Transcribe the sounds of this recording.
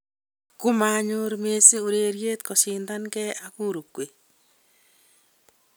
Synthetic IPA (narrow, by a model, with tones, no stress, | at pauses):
kʊ˦ma˨ɲʊ˦ɾme˦si˦u˨ɾe˨ɾje˦t̪kɔ˨sɪ˨nda˦nkɛ˦a˨ku˦ɾo˨kwe˨